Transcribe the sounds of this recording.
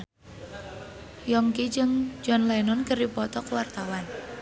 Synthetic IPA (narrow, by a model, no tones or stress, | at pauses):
jɔŋkid͡ʒəŋd͡ʒɔnlajnɔnkəɾipɔt̪ɔkəwart̪awan